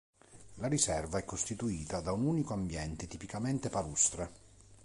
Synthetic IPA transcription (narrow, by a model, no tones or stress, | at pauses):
laɾisɛrvaɛkːost̪it̪uiːt̪ad̪aunuːnikoambjɛnt̪et̪ipikament̪epalust̪ɾe